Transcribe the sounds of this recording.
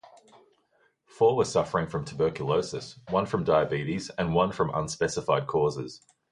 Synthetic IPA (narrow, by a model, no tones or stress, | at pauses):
fɔːwəsʌfəɹɪ̃ŋfɹə̃mtʰəbɜˑkjələʊsəswʌ̃nfɹə̃mdaɪəbiˑɾizə̃nwʌ̃nfɹə̃mə̰̃nspɛsɪfɑɪd̚kʰɔːzɪ̰z̥